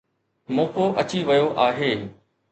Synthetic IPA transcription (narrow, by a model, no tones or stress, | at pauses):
moːkoʔɐt͡ɕiʋɐjoʔaːɦeː